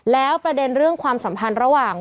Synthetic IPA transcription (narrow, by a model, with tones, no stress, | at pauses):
lɛː˦˥wpɾa˧de˧nɾɯ˥˩əŋkʰwaː˧msa˩˦mpʰa˧nɾa˧waː˨˩ŋ